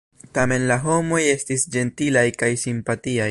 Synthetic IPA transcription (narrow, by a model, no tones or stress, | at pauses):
tame̞nlaɦo̞mo̞je̞stisd͡ʒe̞ntilajkajsimpatiaj